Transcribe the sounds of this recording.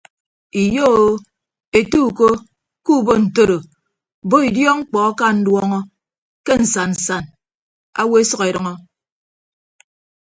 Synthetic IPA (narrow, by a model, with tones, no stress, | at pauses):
i˨jo˦o˦ | e˨tu˦˨ko˦ | ku˦˨bo˦n̩˨to˦ɾo˨ | bo˦i˨djɔ˦ŋ͡m̩˦k͡pɔ˨a˦ka˦n̩˦dwɔ˦ŋɔ˦ | ke˦n̩˨sa˨n˨n̩˨sa˨n | a˦we˦e˦sʌ˦ke˨ɾʌ˨ŋɔ˦